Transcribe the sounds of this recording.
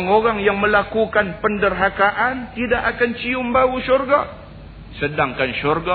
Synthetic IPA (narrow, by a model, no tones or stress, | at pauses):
ŋoɾaŋjaŋmə̃lakukanpəndərɦakaʔant̪idaʔakant͡ʃiʊmbauʃurɡa | sədaŋkanʃurɡa